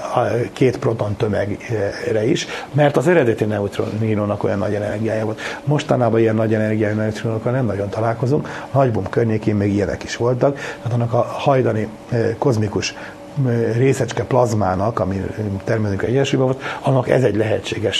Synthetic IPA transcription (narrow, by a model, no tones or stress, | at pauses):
keːt̪pro̞t̪o̞nt̪ø̞mɛ̰ɡrɛiʃmɛrt̪ɒzɛɾɛd̪ɛt̪inɛut̪ro̰niːloːnɒko̞jɒnːɒɟɛnɛ̰rɡijaːjaːvo̞lt̪mo̞ʃt̪ɒnaːbɒijɛnːɒɟɛnɛrɡijaːjanɛut̪ɾiolokːɒnɛmnɒɟo̞nt̪ɒlaːlko̞zuŋknɒɟbumkørɲeːkeːmmeːɡijɛnʔɛ̰ki̥ʃʋo̞lt̪ɒk̪at̪ɑnːɒkɒhɒjd̪ɒni | ko̞zmikuʃ | reːsɛt͡ʃkɛplɒzmaːnɒkɒmit̪ɛrmɛzyŋkɛɟɛnʃujbɛvo̞lt̪ɒnːɒkɛ̰zɛɟlɛɦɛt͡ʃːeːɡɛʃ